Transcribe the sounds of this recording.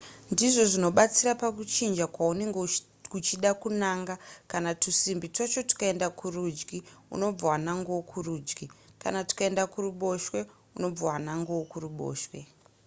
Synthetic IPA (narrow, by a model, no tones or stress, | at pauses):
ndiʐo̞ʐino̞ɓat͡siɾapakut͡ʃind͡ʒakwaune̞ŋɡe | kut͡ʃiɗakunaŋɡakanatusimbitot͡ʃo̞ti̥kae̞ndakurud͡ʒɡiṵno̞b͡vawanaŋɡowokʰuruːd͡ʒɡika̰nati̥kae̞ndakuruɓo̞ʃwe̞ | uno̞b͡vawanaŋɡowokuruɓo̞̰ːʃwe̞